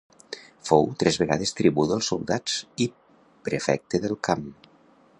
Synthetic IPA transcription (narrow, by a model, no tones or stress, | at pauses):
fowt̪ɾɛzβeɣa̰ð̞est̪ɾiβuðəlˠsulˠd̪ad͡zi | pɾefɛ̰k̚t̪eðelˠkam